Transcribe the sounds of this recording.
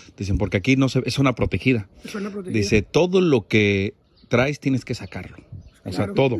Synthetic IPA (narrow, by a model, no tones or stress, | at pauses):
d̥̪is̬e̞mpo̞ɾkeakino̞seesunapɾo̞t̪e̞xiðad̪ise̞t̪o̞ðo̞lo̞ke | t̪ɾajst̪je̞neske̞sakaɾlo̞oseat̪o̞ðo